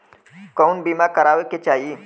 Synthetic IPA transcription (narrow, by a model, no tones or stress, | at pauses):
kɔːnbiːmakəɾaːʋeket͡ʃaːɦie